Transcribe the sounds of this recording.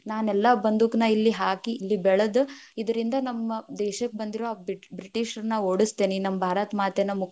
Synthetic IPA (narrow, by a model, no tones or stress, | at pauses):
naːnɛlːɐbɐnd̪ukɐnɐilːiɦaːkiːlːibɛɭɐd̪uid̪ɐɾind̪ɐnɐmːɐd̪ɛːʃɐkːebɐnd̪iɾoːaːbɾiʈiːʂɐɾnɐoːɽust̪eːninɐmːɐbʱaːɾɐt̪maːt̪enɐmuk